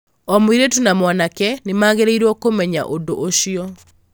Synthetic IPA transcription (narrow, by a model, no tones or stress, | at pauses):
ɔmwiɾetunamwanakɛnemaːɣeɾeiɾwɔkomɛɲa̰ʔondoʔoʃjɔ